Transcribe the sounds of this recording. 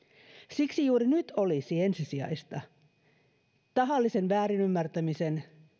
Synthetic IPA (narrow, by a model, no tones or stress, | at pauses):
siksijuːɾinyt̪ʰolisiensisiɑ̰ist̪ɑ | t̪ɑɦɑlːisenʋæːɾinymːært̪æmisen